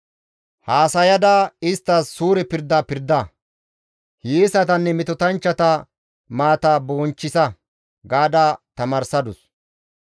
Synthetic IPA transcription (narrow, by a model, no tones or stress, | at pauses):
haːsɐjɐd̪aɪst̪ːɐsːuːɾɛpɪɾd̪aːpɪɾd̪ɐ | heːsɐt̪̬ɐnːɛmɛt̪ɔt̪ɐnt͡ʃːɐt̪ɐ | maːt̪aːboːnt͡ʃːɪsɐ | ɡaːd̪at̪ɐmɐːɾsɐd̪ʊs